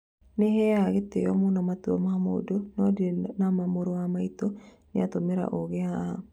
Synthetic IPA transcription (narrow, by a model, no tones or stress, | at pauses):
nehɛaɣet̪ejɔmonɔmat̪womaamoo̰donɔdenamamoɾoamait̪o | nɪat̪omeɾa̰ʔoɣea